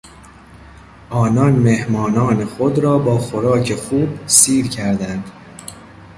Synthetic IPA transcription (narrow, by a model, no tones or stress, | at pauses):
ʔɒːnɒnme̞hmɒːnɒːne̞xod̪ɾɒːbɒːxoɾɒːcʰe̞xuːbsiːɾcʰæɾd̪ænd̪̥